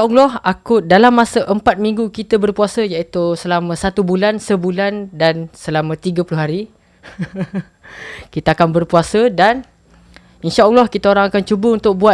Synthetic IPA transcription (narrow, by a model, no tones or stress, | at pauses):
aʔalɔhakʊt̪̚dalamːãsəʔəmpat̪̚mĩŋɡukit̪əbərpuasəjaʔit̪usəlamə̃sat̪ubulansəbulandansəlamə̃t̪iɡəpulʊɦaɾi | kit̪aakanbərpuasədan | inʃaʔalːɔhkit̪aoɾaŋakant͡ʃubəunt̪ʊk̚bua